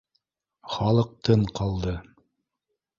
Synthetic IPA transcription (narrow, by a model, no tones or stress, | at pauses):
χɑlˠɤ̆q̚t̪ɤɴqɑlˠd̪ɤ